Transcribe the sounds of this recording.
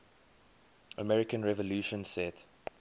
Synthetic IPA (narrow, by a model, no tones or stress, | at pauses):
əmɛɹɪkə̃nɹɛvəluʃə̃nsɛt